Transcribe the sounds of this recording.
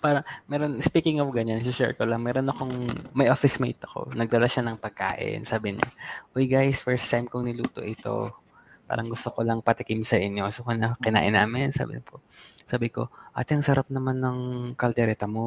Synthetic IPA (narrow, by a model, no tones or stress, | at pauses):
paːɾɐŋmɛːɾonspiːkɪŋofɡɐɲansɪʃɛ̰ɹkolɐŋmɛːɾo̞nɐko̞ŋmɐjʔoːfɪsmejt̪ɐ̥ko̞̰nɐɡ̚d̪ɐlaʃanɐŋpɐɡ̚ka̰ːʔɪ̰nsaːbɪɲa̰ʔojɡajsfɛɹst̪ajmkoŋnɪlṵːt̪o̞̰ʔɪt̪o̞̰ | pa̰ːɾɐŋɡʊst̪okolɐŋpɐt̪ɪkɪmsɐʔɪɲːoɡʊsokonɐkɪna̰ːʔɪnaːmɪnsa̰ːbɪ̰ɲposaːbɪko̞̰ʔa̰ːt̪ɛɐŋsɐɾʔap̚nɐmanːɐŋkɐlt̪ɛɾɛt̪ɐmo